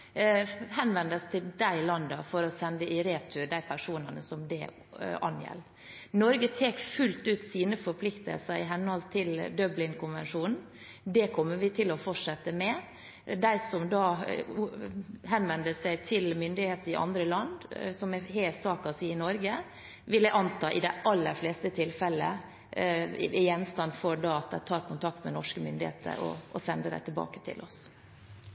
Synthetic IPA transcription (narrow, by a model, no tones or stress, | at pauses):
hɛnʋɛnd̪əst̪ʰɪld̪æɪlɑnd̪əfɔɾɔsɛnd̪əʔɪɾeːt̪ʰʉd̪æɪpʰæʂuːnənəsɔmd̪ɛ̰ | ɑ̰njɛ̰lː | nɔɾɡət̪ʰeːkfʉlt̪ʉːt̪siːnəfɔɾpʰlɪkt̪ə̰lsəɾɪɦɛnhɔlt̪t̪ʰːɪld̪œblɪŋkʰʊnʋɛ̰nʂuːnn̩ | d̪ɛkʰɔmːəʋɪt̪ʰɪlɔfɔʈʂɛt̪ːəmɛ | d̪æɪsɔmd̪ɑ | hɛnʋɛnd̪əsæɪt̪ʰɪlmʏnd̪ɪheːt̪əɾɪʔɑ̰nd̪ɾəlɑnd̪sɔmɛheːlsɑːkɑsiːɪnɔɾɡə | ʋɪlːəʔɑnt̪ʰɑːʔɪd̪æɪʔɑlːəɾfleːst̪ət̪ʰɪlfɛlːə̰ | ɪjɛnst̪ɑnːfɔɾɖɑɑt̪̚d̪æt̪ʰːɑːɾkʰʊnt̪ʰɑk̚t̪mɛnɔʂkəmʏnd̪ɪhḛːt̪ʰə̰ɾɔ̰ːsɛnd̪əd̪æ̰ɪt̪ʰɪlbɑ̰ːkə̥t̪ʰɪ̰lʔɔ̰s